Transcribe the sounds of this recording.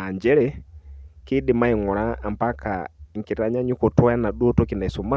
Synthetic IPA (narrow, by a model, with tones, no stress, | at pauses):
a˨ɲd͡ʒɛ˦ɾɛ | ki˦ɗi˨ma˦i˨ŋɔ˨ɾa˦a˨mpa˦ka̰ŋ̩˨ki˨ɾa˨˦ɲa˦ɲu˦kɔ˨twa˦a˦na˨ɗu˦ɔ˦tɔ˦ki˨na˨i˨su˨ma˦